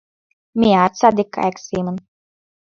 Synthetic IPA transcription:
mʲiaːt̪sad̪ʲikːa̰jksiːmən

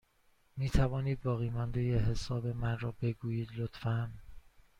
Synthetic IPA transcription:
miːt̪ʰævɒːniːd̪̚bɒːɣiːmɒnd̪e̞jeɦe̞sɒːbe̞mænɾɒːbe̞ɡuːjiːd̪lot̪ʰfæn

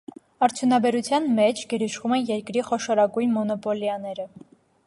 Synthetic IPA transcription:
ɑɾt͡sʰjunɑbɛɾut͡sʰjɑnmɛt͡ʃʰɡɛɾiʃvumɛnjɛɾkɾiχɔʃɔɾɑɡujnmɔnɔpɔljɑnɛɾə

